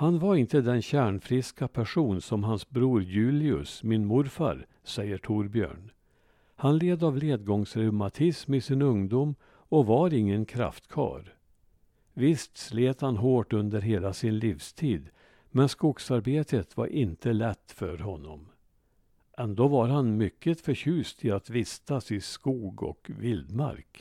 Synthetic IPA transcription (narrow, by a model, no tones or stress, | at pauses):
hanvaɾɪnt̪əd̪ɛnɕæːɳfɾɪskapʰæʂuːnsɔmɦansbɾuːɾjʉ̟ːlɪɵ̰smɪnmʊɾfa̰ɾ | sɛjːəʈʰuːɾbjø̰ːɳ | hanleːd̪avleːd̪ɡɔŋsɾʉmat̪ʰɪsmɪsɪnɵŋd̪uːm | ɔvaɾɪŋːənkʰɾa̰ft̪kʰɑ̰ːɾ | vɪst̪sleːt̪hanɦoːʈɵnd̪əɾɦeːlasɪnliːfst̪ʰiːd̪ | mɛnskuːɡsaɾbeːt̪ʰət̪va̰ɾʔɪnt̪əlɛt̪ːfœ̰ɾɦɔnːɔ̰m | ʔɛnd̪oːvaɾɦanmʏkːət̪fœɾɕʉ̟ːst̪ʰɪat̪vɪst̪asɪskuːɡɔ̰kvɪld̪ma̰ɾk